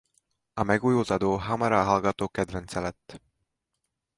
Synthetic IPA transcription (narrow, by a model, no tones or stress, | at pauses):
ɑmeɡujult̪ɑd̪uɦɑmɑɾɑɦɑlɡɑt̪ːˑoked̪venselɛt̪ː